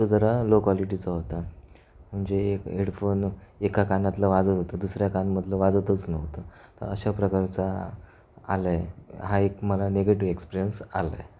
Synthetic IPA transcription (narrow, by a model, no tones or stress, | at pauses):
t̪od͡zəɾalokaliʈit͡səɦot̪a | m̤əɳd͡zekeɽfonekakanat̪ləʋad͡zət̪ɦot̪əd̪usɾjakanməd̪ʱləʋad͡zət̪ət͡snəɦt̪ə | t̪ə̰ɾə̰ɕapɾəkaɾt͡sa | a̰ləjɦaekməlaneɡeʈiʋekspiɾijənsa̰lə̰